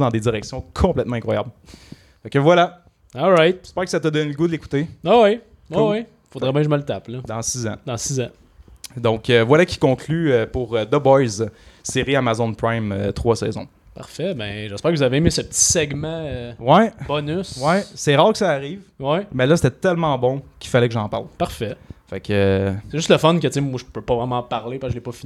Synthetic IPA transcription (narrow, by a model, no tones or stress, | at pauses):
d̪ɑ̃d̪ed͡zziʁɛksjɔ̃kʰɔ̃plɛt̪̚mɑ̃ɛ̃kχwaja̰bl | fakəvwala | ɔlʁajt̪̚spɛːʁkə̥sat̪əd̪ɔneləɡud̪əleku̥t̪ewɛwi | wkɛwi | fod̪ʁɛbɛ̃ʒəməlt̪apləd̪ɑ̃sizã̰d̪ɑ̃sizã | d̪ɔ̃køvwalakʲi̥kɔ̃kʰlyøpʊʁød̪ɔbɔjzseʁiamazɔ̃npʁajmø̰t̪χwasɛ̰ːzɔ̃ | paʁfɛbɛ̃ʒɛspæːʁkəvuzaveːmesəpət͡si̥sɛɡmãøwɛbɔnyswɛsɛʁɑːʁkə̥saːʁiːvwɛmɛlʌse̥t̪ɛt̪ɛlmɑ̃bɔ̃kʲifalɛkəʒɑ̃ːpaʁlpaʁfɛfakʰøseʒʏst̪ləfɔnkət͡semwaʒəpøpɔvʁɛmɑ̃paʁlepaskəʒəlepɔfin